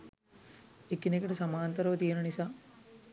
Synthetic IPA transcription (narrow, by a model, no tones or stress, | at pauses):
ekːinekːɐʈɐsɐmaːnt̪ɐɾɐʋɐt̪ijɐnɐnisa